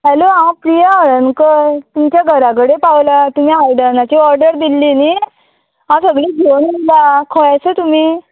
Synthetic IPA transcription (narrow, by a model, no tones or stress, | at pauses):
ɦɛloãpɾijaəɾənkət̪umt͡ɕjaɡʱəɾãk̬əɽepawlat̪um̤iɦajɖəɾnat͡ɕiːɔɾɖəɾd̪ilːini | ɦãsəɡɭiːd͡ʑʱownilakʰəɭajsət̪um̤iː